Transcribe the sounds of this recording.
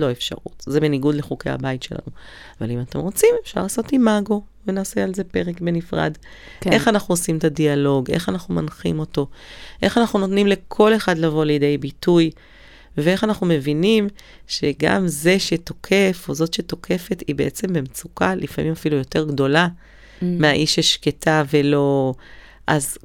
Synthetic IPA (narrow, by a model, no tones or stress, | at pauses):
lo̞efʃa̰ʁṵtzebeniɡudle̞χuke̞jha̰baitʃe̞la̰nu | ava̰limate̞mʁo̞t͡simefʃa̰ʁlaso̞timaɡo̞venaːsealze̞pe̞ʁekbe̞nifʁa̰d | e̞χanaχnuosimetadialo̞ɡe̞̰χanaχnumanχḭmo̞to̞ʔe̞χanaχnuno̞tnimle̞kʰo̞le̞χadlavo̞lejede̞jbituj | vee̞χanaχnume̞vinim | ʃe̞ɡa̰mze̞ʃeto̞kʰe̞fo̞zo̞tʃeto̞kʰe̞fe̞tibeʔet͡se̞mbemt͡sukalʔifa̰mʔimafilujo̞te̞ʁɡdo̞la | meaʔiʃeʃketʰavelo̞ | ʔaz